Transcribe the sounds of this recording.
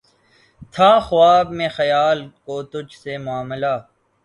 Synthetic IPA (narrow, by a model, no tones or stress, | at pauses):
t̪ʰaːxʊwaːbmẽːxɐjaːlkoːt̪ʊd͡ʒʱsemʊaːməlaː